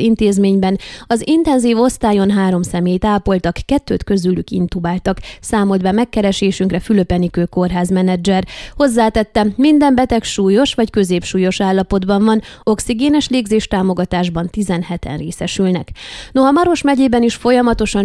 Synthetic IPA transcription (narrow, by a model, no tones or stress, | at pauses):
int̪eːzmeːɲbɛnɒzint̪ɛnziːvo̞st̪aːjo̞nɦaːɾo̞msɛmeːjt̪aːpo̞lt̪ɒkːɛt̪ːø̰ːt̪kø̞zylykḭnt̪ubaːlt̪ɒksaːmo̞d̪bamɛkːɛɾɛʃeːʃyŋkrɛfyløpɛnikøːko̞rɦaːzmɛnɛd͡ʒɛrho̞zːaːt̪ɛt̪ːɛmind̪ɛmbɛt̪ɛkʃuːjo̞ʃʋɒckø̞zeːpʃuːjo̞ʃaːlːɒpo̞d̪bɒɱvɒn | o̞ksiɡeːnɛʃleːɡzeːʃt̪aːmo̞ɡɒt̪aːʒbɒnt̪izɛnhɛt̪ɛ̰nreːsɛʃylnɛknoɦɒmɒɾo̞ʃmɛɟeːbɛniʃfo̞jɒmɒt̪o̞ʃɒn